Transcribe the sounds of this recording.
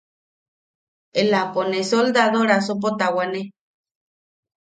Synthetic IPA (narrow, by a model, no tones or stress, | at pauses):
elaponesold̪aðoɾas̬op̬ot̪awane